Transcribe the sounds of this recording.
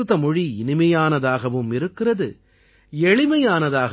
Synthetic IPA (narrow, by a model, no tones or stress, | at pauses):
ɯðɐmɔɻiɪnɪmɐjaːnɐðaːɣɐʋɯmɪɾɯkːɪrɐðɯ | ɛɻɪmɐjaːnɐðaːɣɐ